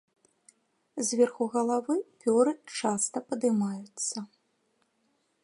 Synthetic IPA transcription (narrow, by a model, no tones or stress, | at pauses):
zʲvʲɛrxuɣɐlˠavɨpʲɔɾɨt͡ʂast̪ɐpɐd̪ɨmajut̪sːɐ